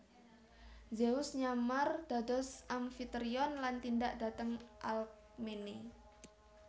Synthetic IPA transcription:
zeʊsɲamard̪̥a̤d̪ɔsamfit̪ɾiɔnlant̪indaʔd̥a̤t̪əŋʔal | mene

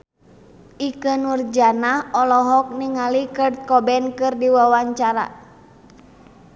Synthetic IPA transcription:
ʔikənurd͡ʒanaɔlɔɦɔk̚niŋalikərd̪̚kɔbɛnkɨrdiwawaɲt͡ʃaɾa̰

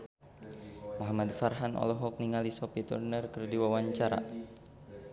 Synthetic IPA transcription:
muɦamad̪farɦanʔɔ̰lɔɦɔk̚niŋalisɔpit̪ṵrnərkərdiwawaɲt͡ʃaɾa̰

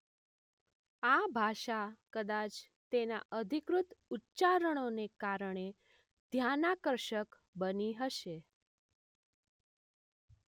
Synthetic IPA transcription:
abʱaʃakəd̪at͡ʃ | t̪ena̰ʔəd̪ʱikɾut̪utːt͡ʃaɾəɽ̃onekaɾəɳ̃e | d̪ʱjanakəɾʃək | bəniɦəʃe

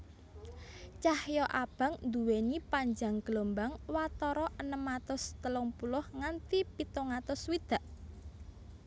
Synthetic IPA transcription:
t͡ʃahjɔʔab̥a̤ŋnd̪uwenipaɲd͡ʒaŋɡ̥lombaŋwat̪ɔɾɔʔənəmːat̪ʊst̪əlɔŋpulʊhŋant̪ipit̪ɔŋat̪ʊswid̪̥a̤ʔ

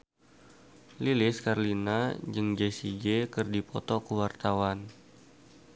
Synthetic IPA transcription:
lilɪskarlinad͡ʒɨŋd͡ʒesid͡ʒekɨrdipɔt̪ɔkəwart̪awan

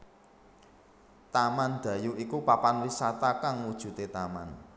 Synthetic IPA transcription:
t̪amand̪̥ä̤juikupapanwisat̪akaŋwud̥ʒ̥ṳt̪et̪ama̰n

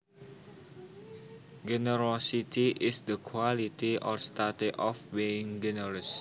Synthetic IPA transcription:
d͡ʒɛnəɾosit̪iʔɪsd̪əkʰwalit̪iʔɔrst̪adiʔɔfbiɪŋd͡ʒɛnəɾəs

